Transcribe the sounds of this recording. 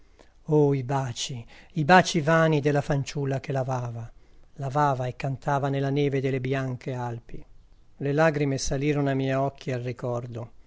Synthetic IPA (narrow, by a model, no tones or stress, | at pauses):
oibaːt͡ʃiibaːt͡ʃivaːnid̪elːafant͡ʃulːakelavaːva | lavaːvaekːant̪ʰaːvanelːanɛːved̪elːebjaŋkʰealpi | lelaːɡɾimesaliːɾonoamijɔkʰːialrikɔrd̪o